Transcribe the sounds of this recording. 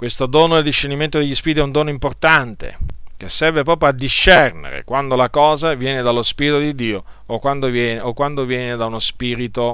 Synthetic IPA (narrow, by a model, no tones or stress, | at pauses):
kwest̪od̪oːnoeld̪iʃːerniment̪od̪eʎːispiɾit̪ɛund̪oːnoimport̪ant̪ḛkesːɛrvepɾɔːp̬ɾjoad̪ːiʃːɛrnḛɾḛkwand̪olakɔːzavjɛːned̪alːospiːɾit̪od̪id̪ːiːookːwand̪ovjɛːnokwand̪ovjɛːned̪aunospiːɾit̪o